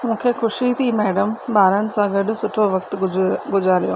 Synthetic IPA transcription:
mũːkʰeːxʊʃit̪ʰimɛːɖəmɓaːɾənɪ̆sãɡɐɗʊ̆sʊʈʰoʋɐkt̪ɪɡʊd͡ʑaːɾijoː

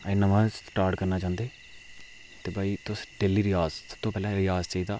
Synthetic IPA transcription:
enəʋãːsʈaːɾʈkəɾnaːt͡ʃãːnd̪eː | t̪eːbaːiːt̪ʊsɖeːliːɾɪjaːzsəb̥̚t̪õːpɛːlãːɾɪjaːzt͡ʃaiːd̪aː

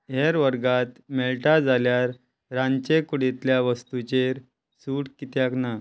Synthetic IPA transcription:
ɦeɾʋəɾɡat̪meɭʈad͡zaljaɾː | ãɲt͡ɕekuɽet̪ljaʋəst̪ut͡ɕeɾ | suːʈkit̪jakna

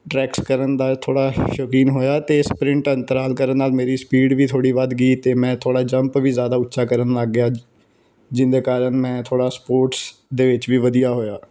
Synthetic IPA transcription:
ʈɾɛːkskəɾənd̪aːlt̪ʰoːɽaːʃokiːnɦoːjaːt̪eːspɾɪ̃ɳʈənt̪əɾaːlkəɾənːaːlmeːɾiːspiːɖʋiːt̪ʰoːɽiːʋad̪ɡiːt̪eːmɛ̃ːt̪ʰoːɽaːd͡ʒəmpʋiːzjaːd̪aːʊtːʃaːkəɾənləɡjaː | d͡ʒɪnd̪eːkaːɾəɳmɛ̃ːt̪ʰoːɽaːspoːɾʈsd̪eːʋɪt͡ʃʋiːʋəd̪ijaːɦoːjaː

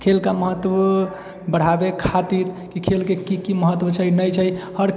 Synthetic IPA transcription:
kʰelkaməɦət̪ːwə | bəɽ̤abekʰat̪iɾ | kikʰelkekikiməɦət̪ːwət͡ʃʰəinət͡ʃʰəjhəɾ

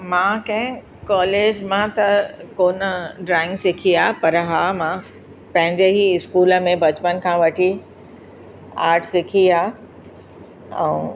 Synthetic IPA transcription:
mãkɐ̃ɦɪ̃ | kaːleːd͡ʑmãt̪ɐkoːnəɖɾaːɪ̃ŋɡsɪkʰiaːpɐɾɦaːmã | pɐ̃ɦɪ̃ɲd͡ʑeɦiɪskuːlə̆mẽbɐt͡ɕpənkʰãːʋɐʈʰi | aːɾʈʰsɪkʰiaː | ɛ̰̃

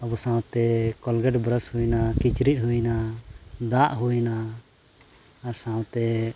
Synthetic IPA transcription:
abɔsãwt̪ɛkɔlɡɛɖbɾəshujnakit͡ʃɾit̪̚ˀɦujnad̪aʔɦujna | ɾsãw̃t̪ɛ

